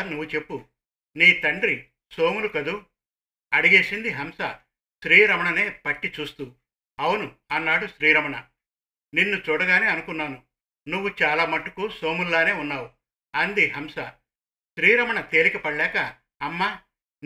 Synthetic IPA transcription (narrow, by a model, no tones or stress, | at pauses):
nuʋːut͡ʃe̞pːu | niːt̪ɐɳɖɾi | so̞ːmulukɐd̪u | ɐɽiɡe̞ːsind̪iɦɐmsɐ | ʃɾiːɾɐmɐɳɐne̞ːpɐʈːit͡ʃuːst̪u | ɐwnuɐnːaːɽuʃɾiːɾɐmɐɳɐ | ninːut͡ʃuːɽɐɡaːneːɐnukunːaːnu | nuʋːut͡ʃaːlaːmɐʈːukuso̞ːmulːaːne̞ːunːaːwu | ɐnd̪iɦɐmsɐ | ʃɾiːɾɐmɐɳɐt̪e̞ːlikɐpɐɽlɛːkɐː | mːaː